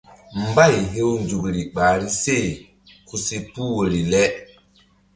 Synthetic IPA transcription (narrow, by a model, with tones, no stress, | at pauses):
m˦ba˦˨jɦe˦wnd͡ʒu˨kɾi˨ɓa˨ɾi˦se˦˨ | ku˨se˨pu˦wo˨ɾi˨lɛ˦